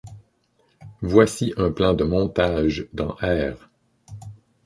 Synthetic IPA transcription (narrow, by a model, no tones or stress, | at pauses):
vwasiʔɛ̃plɛ̃d̪əmɔ̃t̪aʒd̪ɑ̃ʔɛːʁ